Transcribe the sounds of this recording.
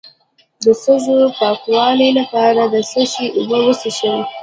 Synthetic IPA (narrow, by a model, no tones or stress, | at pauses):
d̪əxəzopɑkwɑlilapɑɾad̪əsəʃiʔʊbəwəsiʃəwe